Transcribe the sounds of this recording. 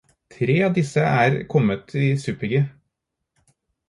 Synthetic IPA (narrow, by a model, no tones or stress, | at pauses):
t̪ʰɾeːɑːʋd̪ɪsəʔæːɾkʰɔmət̪ʰiːsʉːpɪɡɪ